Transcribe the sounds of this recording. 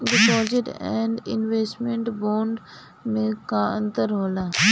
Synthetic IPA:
d̪əpɾɔːd͡ʒɪʈɛ̃ːɳɖɪ̰nʋeːsʈmẽɳʈboːɳɖ | mẽkaə̃nt̪əɾɦoːlaː

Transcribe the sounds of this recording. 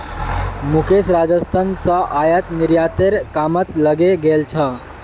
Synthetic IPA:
mukesɾad͡ʒəst̪ʰənsə̃ʔajət̪niɾjat̪eɾkamət̪ləɡeɡelt͡ʃʰə

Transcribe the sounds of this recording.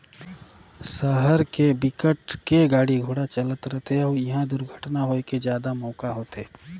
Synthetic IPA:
səɦəɾkebɪkəʈkeɡaːɽiɡʱoːɽat͡ʃɐlət̪ɾəɦt̪ɦɛɔːjɐɦãd̪ʊɾɡʱəʈnaɦoːeked͡ʒjaːd̪amɔːkaɦoːt̪eɛː

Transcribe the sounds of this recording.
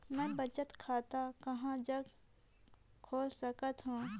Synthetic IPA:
mɛ̃ːbɐt͡ʃət̪kʰaːt̪akɐɦãd͡ʒɐɡ | kʰoːlsəkət̪ɦũː

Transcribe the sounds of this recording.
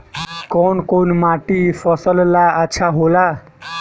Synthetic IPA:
kɔnkonmaʈifɔsəllaəːt͡ʃʰaɦola

